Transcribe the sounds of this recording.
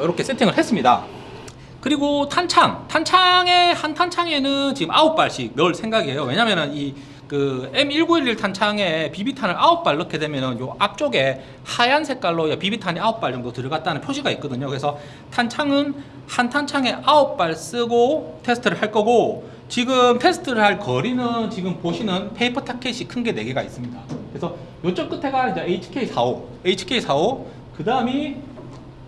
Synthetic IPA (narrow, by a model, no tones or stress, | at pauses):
ɾʌkʰe̞s͈ʰetʰiŋɯɭɦe̞s͈ɯmɲida̰ | kɯɾiɡotʰant͡ɕʰaŋtʰant͡ɕʰaŋe̞hantʰant͡ɕʰaŋe̞nɯnt͡ɕiɡɯmaʌp̚p͈aɭɕ͈imjʌɭsʰe̞ŋɡaɡiɦe̞jowe̞ɲamjʌnɯni | kɯe̞miɭɡuiɾiɭtʰant͡ɕʰaŋe̞pibitʰanɯɾaʌp̚p͈aɭːʌkʰe̞de̞mjʌnɯnjoʔak̚t͡ɕ͈oɡe̞ | hajansʰe̞k͈aɭːojapibitʰaɲiaʌp͈̚aɭt͡ɕʌmdotɯɾɯɡat̚t͈anɯnpʰjoɕʰiɡait̚k͈ʌdɯɲokɯɾe̞sʰʌ | tʰant͡ɕʰaŋɯn | hantʰant͡ɕʰaŋe̞ʔaʌp̚p͈aɭs͈ɯɡotʰe̞sʰɯ̥tʰɯɾɯɭhaɭk͈ʌɡo | t͡ɕiɡɯmtʰe̞sʰɯ̥tʰɯɾɯɭhaɭkʌɾinɯnt͡ɕiɡɯmpoɕʰinɯnpʰe̞ipʰɯtʰakʰeɕʰikʰɯnɡe̞ne̞ɡeɡais͈ɯmɲidakɯɾesʰʌ | jot͡ɕ͈ʌk͈ɯtʰe̞ɡaind͡ʑeeit͡ɕʰi̥kʰeisʰao | eit͡ɕʰi̥kʰe̞isʰao | kɯdaɯmi